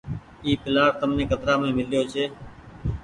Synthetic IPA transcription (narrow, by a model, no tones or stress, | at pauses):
iːpɪlaːɾt̪əmnẽːkət̪ɾaːmẽːmɪljoːt͡ʃʰeː